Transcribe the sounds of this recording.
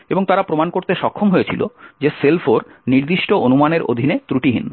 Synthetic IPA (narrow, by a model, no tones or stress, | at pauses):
eboŋt̪aɾapɾomankoɾt̪eʃɔkʰːomɦoet͡ɕʰilo̰d͡ʑeselfoɾniɾd̪iʃʈoʔonumaneɾo̰d̪ʱinet̪ɾuʈiɦḭn